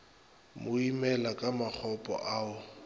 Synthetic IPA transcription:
mʊimɛlakʼamak͡xʰɔpʼɔ̰ʔaʊ

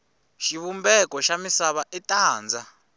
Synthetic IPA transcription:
ʃiβumbɛkɔʃamisaβaʔɛtʼaːnd͡za

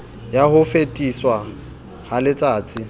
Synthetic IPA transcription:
jahʊfetʼiswa | halɪt͡sʼaːt͡sʼɪ

